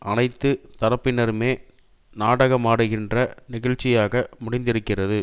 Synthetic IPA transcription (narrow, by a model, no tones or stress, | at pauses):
ʔɐnɐɪt̪ːɯt̪ɐɾɐpːɪnɐɾɯmeː | naːɽɐɣɐmaːɽɯɣɪndrɐnɪɣɐɭt͡ʃːɪjaːɣɐmʊɽɪnd̪ɪɾɯkːɪrɐðɯ